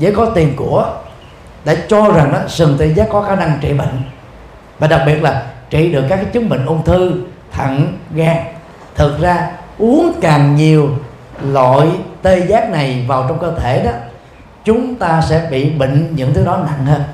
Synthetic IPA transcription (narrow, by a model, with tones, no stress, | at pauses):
zə̰ː˨˦kɔ˨˦t̪i˨˩mku˧˩ə | ɗḛ˧˩t͡ɕɔ˧za˨˩ŋʔaː˨˦sɨ˨˩ŋt̪e˧zaː˦˥kːɔ˨˦xaː˧˩na˧ŋt͡ɕḭ˧˨ɓḭ˧˨ŋ̟ | vaː˨˩ɗa˨˩k̚ɓi˨˩ət̚laː˨˩t͡ɕḭ˧˩ɗɨ˨˩əkːkːaː˨˦jt͡ɕɨ˨˦əŋɓḭ˧˨ŋ̟ʔo˧ŋ͡mt̪ʰɨ˧ | t̪ʰə̰˧˨nɣaː˧˩ŋ | t̪ʰɨ˨˩t̚zaː˧ʔu˨˦əŋkaː˨˩ŋɲi˨˩əw | lɔ̰˧˨jt̪e˧zaː˦˥k̚na˨˩jvaː˨˩wt͡ɕɔ˧wŋ͡mkəː˧t̪ʰe˧˩ɗɔ˨˦ | t͡ɕʊ˨˦ŋ͡mt̪aː˧sɛ̰˧˥ɓḭ˧˨ɓḭ̈˧˨ŋ̟ɲɨ̰˧˥ŋt̪ʰɨ˨˦ɗɔ˨˦na̰˧˨nhəː˧n